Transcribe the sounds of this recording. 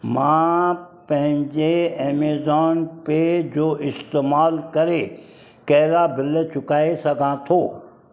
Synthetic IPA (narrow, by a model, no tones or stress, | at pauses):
mã | pɐ̃ɦɪ̃ɲd͡ʑeeːmeːzɔːnped͡ʑoːʔɪst̪eːmaːlkɐɾe | kɐɦɾabɪlət͡ɕʊkaːesɐɡʱãt̪ʰoː